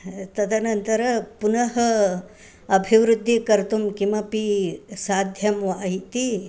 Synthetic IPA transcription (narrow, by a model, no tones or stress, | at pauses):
t̪ɐd̪ʰɐnɐnt̪ɐɾɐpunɐɦɐ | ɐbʱiʋɾud̪ʱːikɐɾt̪umkimɐpisaːd̪ʱjɐmʋaːɦit̪i